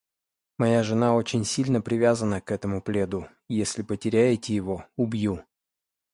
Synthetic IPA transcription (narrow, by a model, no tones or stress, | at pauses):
mɐjaʐɨnao̞t͡ɕɪnʲsʲilʲnəpɾʲɪvʲazənəkɛt̪əmʊplʲe̞d̪ʊ | jesʲlʲɪpətʲɪɾʲæjɪtʲɪjɪvo̞ʊbju